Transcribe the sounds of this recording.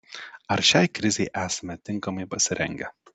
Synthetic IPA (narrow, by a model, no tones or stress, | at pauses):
ɐɾʃʲɛˑɪkɾʲɪzʲɛɪʔæːsɐmʲɛt̪ʲɪŋkɐmɐɪpɐsʲɪɾʲʔɛ̰ŋʲɡʲɛ